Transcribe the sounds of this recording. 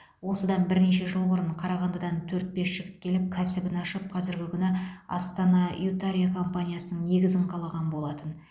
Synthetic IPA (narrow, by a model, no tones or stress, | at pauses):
wo̞səd̪ɑnbɪɾne̞ʃe̞ʒəlˠboɾəɴqʰɑɾɑʁɑnd̪əd̪ɑnt̪ʰɵɾt̪̚be̞sʃɪkʲɪ̥t̪̚kʲʰe̞lɪp̚kʲʰæsɪbɪnɑʃəp̚qʰɑzɪɾɡʲɪkʲʰʏnɪɑ̰st̪ɑnɑut̪aɾijakʰo̞mpanʲijasənəɴne̞ɡʲɪzɪɴqʰɑlˠɑʁɑnbo̞lˠɑt̪ən